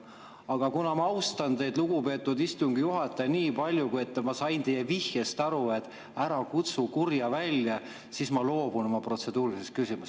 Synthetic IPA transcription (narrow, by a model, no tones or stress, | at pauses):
ɑɡ̥ɑkunɑmɑɑwst̪ɑnd̪e̞jd̪luɡ̥upe̞ːt̪ːud̪ist̪uŋɡijuɦɑt̪ːˑɑjniːpɑlʲjukujet̪ːmɑsɑjnt̪ejːevihjest̪ɑɾue̞t̪ːˑ | æɾɑkut̪sukurjɑvælʲjɑ | sismɑlo̞ːb̥unomɑpro̞t̪se̞d̪uːɾiisest̪kysimuse